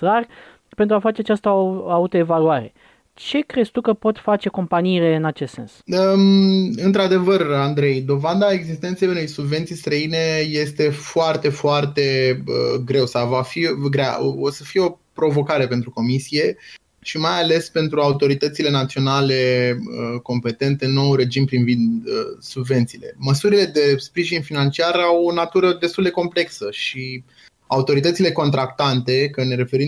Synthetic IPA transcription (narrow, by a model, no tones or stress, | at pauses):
ɾarʲ | pent̪ɾuafat͡ʃe̞at͡ʃast̪əaut̪oe̞valuaɾe̞ | t͡ʃe̞kɾest̪ukəpo̞t̪fat͡ʃe̞ko̞mpaniːle̞ɨnat͡ʃest̪se̞̰nsə | ɨnt̪ɾad̪e̞vərand̪ɾe̞jd̪o̞vand̪ae̞ɡzist̪ent̪sejunejsubve̞nt̪sijst̪ɾəine̞je̞st̪e̞foart̪e̞foart̪e̞ə̰ɡɾe̞wsawvafiɡɾea̰osəfijeo̞pɾo̞vo̞kaɾe̞pe̞nt̪ɾuko̞misije | ʃimajale̞spe̞nt̪ɾuaut̪o̞ɾit̪ət̪sile̞nat̪sio̞nale̞əko̞mpe̞t̪e̞nt̪eno̞wure̞d͡ʒimpɾinvind̪əsubve̞nt̪siːle̞̰məsuɾile̞d̪e̞spɾiʒinfinant͡ʃiarawonat̪uɾəd̪e̞st̪uld̪e̞ko̞mple̞ksəʃi | aut̪o̞ɾit̪ət̪sile̞ko̞nt̪ɾak̚t̪ant̪e̞kəne̞ɾe̞fe̞ɾi